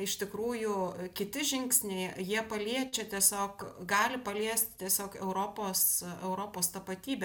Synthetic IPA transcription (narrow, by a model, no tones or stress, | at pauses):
ɪʃt̪ʲɪkɾuːjʊkʲɪt̪ʲɪʒʲɪŋksʲnʲɛɪjiɛpɐlʲiɛt͡ʃʲɛt̪ʲiɛsʲoːkɡɑːlʲɪpɐlʲiɛsʲt̪ʲt̪ʲiɛsʲoːkɛʊɾoːpoːsɛʊɾoːpoːst̪ɐpɐt̪ʲiːbʲɛ